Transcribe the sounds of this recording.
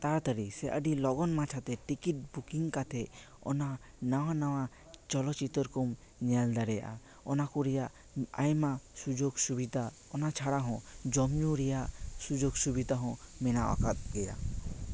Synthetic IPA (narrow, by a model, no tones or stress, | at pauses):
t̪aɾt̪əɾisɛʔəɖilɔɡɔnmat͡ʃʰat̪ɛʈikiʈ̚bukiŋkat̪ʰɛ | ɔ̰na | nawanawa | t͡ʃɔlɔt͡ʃit̪ɔɾkɔm | ɲald̪aɾɛjaʔa̰ | ɔnakuɾɛjaʔ | ajmasud͡ʒoɡsubid̪ʱa | ɔnat͡ʃʰaɽaɦɔ̃d͡ʒɔmɲuɾɛjaʔsud͡ʒoɡsubid̪aɦɔ̃mɛnawa̰kat̪̚ɡɛɾa̰